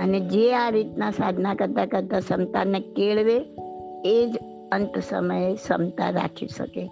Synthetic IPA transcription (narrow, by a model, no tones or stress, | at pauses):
əned͡ʒeaɾit̪nasad̪ʱnakəɾt̪akəɾt̪asəmt̪anekeɭʋe | ed͡ʒ | ənt̪sə̰məjesəmt̪a̰ɾa̰kʰiʃə̰ke